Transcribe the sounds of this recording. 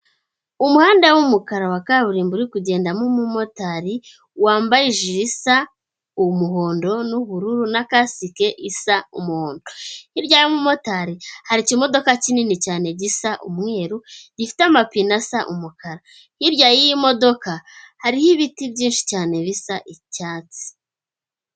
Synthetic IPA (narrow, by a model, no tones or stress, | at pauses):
umuhaːndawumukaɾawakaβuɾiːmbuɾikuɟe̞ːndamumumo̞taɾi | waːmbajiʒiɾisa | umuɦo̞ːndo̞nuβuɾuɾunakasike̞ʔisaumuhoːndohiɾjajimumo̞taɾihaɾicimo̞do̞kacininicaːne̞ɟisaʔumŋe̞ːɾuɟifi̥teamapinasaʔumukaɾa | hiɾɟajiimo̞do̞kahaɾihiβitibɟiːnʃi̥caːne̞βisaʔicaːt͡si̥